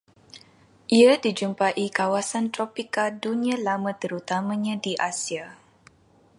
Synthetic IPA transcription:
ʔiadid͡ʒumpaʔikawasant̪ɾɔpikadunĩãlamãt̪əɾut̪amãɲãdiʔasia

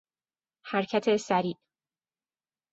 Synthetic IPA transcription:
hæɾcʰæt̪ʰesæɾiːʔ

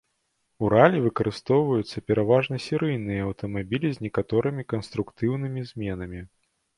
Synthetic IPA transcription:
uɾalʲivɨkɐɾɨst̪ɔwvɐjut̪sːɐpʲɛɾavaʐnɐsʲiɾɨjnɨjɐɐwt̪ɐmabʲilʲizʲnʲɛkat̪ɔɾɨmʲikɐnst̪ɾukt̪ɨwnɨmʲizʲmʲɛn̪ɐmʲi

